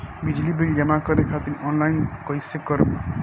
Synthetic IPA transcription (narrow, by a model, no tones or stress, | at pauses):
bid͡ʒlibeld͡ʒʌmakʌɾekʰat̪iɾɔnlajnkʌjsekʌɾ